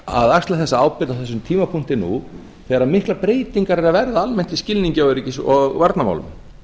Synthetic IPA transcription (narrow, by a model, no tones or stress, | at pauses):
a̰ðakst̪laθɛsːaaːwpɪt̪awθɛsːʏmt̪ʰiːmapʰuŋ̥t̪ɪnṵ | θɛːɣaɾamɪhklapɾeːjt̪iŋkaɾɛɾavɛɾðaalmɛn̥t̪iscɪlniŋɲcawʏɾicɪsɔɣvaɾt̪nama̰wlʏ̰m